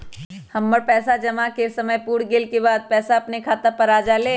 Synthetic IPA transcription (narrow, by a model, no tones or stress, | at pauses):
hɐmːɐɾpɛːsad͡ʒɐmakesɐməjpuːɽɡelkebaːd̪̚pɛːsaɐpnekʰaːt̪apɐɾaːd͡ʒaleː